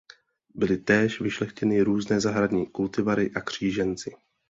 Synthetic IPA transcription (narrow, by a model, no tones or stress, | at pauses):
bɪlɪt̪ɛːʃvɪʃlɛxcɛnɪɾuːznɛːzaɦɾadɲiːkult̪ɪvaɾɪʔakr̝̥iːʒɛnt͡sɪ